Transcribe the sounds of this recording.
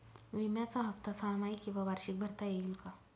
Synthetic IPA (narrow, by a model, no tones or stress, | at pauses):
ʋimjat͡saɦəft̪asamaikĩʋaʋaɾɕik̚bʱəɾt̪ajeilka